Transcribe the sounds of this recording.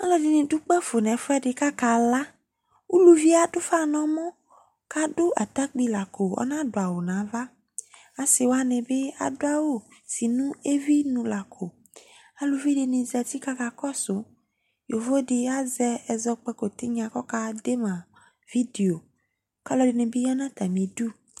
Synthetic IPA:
a˦lɔ˨ɖi˨nẽ˨ɖu˦k͡pɛ˦fo˨nɛ̃˨˦fo˦ɛ˦ɖe˨ka˦ka˨la˦ | u˦lu˨vi˦a˨ɖo˦fa˦nɔ̃˦mɔ̃˦ | ka˦ɖo˦a˨t̪a˦k͡pi˦la˨ko˨ɔ̰˦nã˦ɖo˨a˨wo˨nã˨˦va˦ | a˨se˨wo˦a˦nẽ˨be˦a̰˨do˦a˦wo˦si˨nũ˦e˦vi˦nũ˨la˨kʰo˨ | a˨lu˨vi˦ɖe˨nẽ˨za˨t̪i˦ka˦ka˨kɔ˦so˨ | jo˨vo˦ɖe˨a˦zɛ˦ɛ˨zɔ˦k͡pɛ˦ko˨t̪e˦ɲ˦ã˨kɔ˦ka˦de˦mã˨ | vi˦d̪e˨o˨ | ka˦lɔ˦de˨nẽ˨be˦jɔ˦nã˦t̪a˨mĩ˨du˦

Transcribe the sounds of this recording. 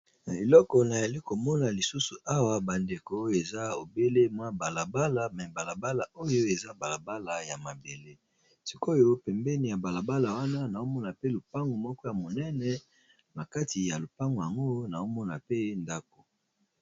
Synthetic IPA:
na˨e˨lɔ˦kɔ˨na˨za˨li˦ko˨mɔ˦na˨li˨su˦su˨ʔa˦wa˨ba˨nde˨ko˨˦e˨za˦o˨be˦le˦mwa˦ba˨la˨ba˦la˨mɛ˨ba˨la˨ba˦la˨o˦jo˦e˨za˦ba˨la˨ba˦la˨ja˨ma˨be˨le˦ | si˦ko˦jo˦pɛ˨mbɛ˦ni˨ja˨ba˨la˨ba˦la˨wa˦na˦na˨o˦mɔ˦na˨pe˦lo˨pa˦ŋɡo˨mɔ˦kɔ˦ja˨mo˨nɛ˦nɛ˨ | na˨ka˦ti˨ja˨lo˨pa˦ŋɡo˨ja˨ŋɡo˦na˨o˦mɔ˦na˨pe˦nda˦ko˨

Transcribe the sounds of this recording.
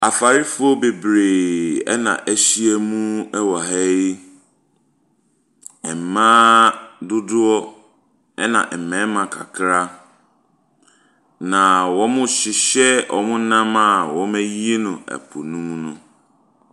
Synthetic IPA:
a˨fa˨ɾɪ˦fʊ˦ɔ˦be˨bɾeː˨ɛ̰˦nã̰˨ʔæ˦ɕi˦ɛ˦mũ˦ɛ˦wɔ˨ɦɛ˦i˦ | ɛ˨m̩˨mã˦dʊ˦dʊ˦ɔ˦ | ɛ˦nã̰˨ʔm̩˨mɛ̃˨˦mã˨kʰa̰˨kʰɾa˦ | nã˨wɔ̃˦mʊ̃˦ɕɪ˨ɕɛ˦ɔ˨mʊ̃˦nã˦ma˦˨wɔ̃˨˦mæ˦ji˦e˦nʊ̃˨æ̰˨pʰʊ˨nũ˦mnʊ̃˦

